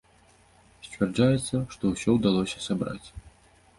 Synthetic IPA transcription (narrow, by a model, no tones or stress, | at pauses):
sʲvʲɛrd͡ʐajɛt̪sːɐʂt̪ɔwsʲɔwd̪alˠɔsʲɐsabɾa̰t͡sʲ